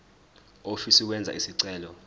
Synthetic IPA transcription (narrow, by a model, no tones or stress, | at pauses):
ofisik̬wɛnd͡zʱa̰ʔisiǀɛːlɔ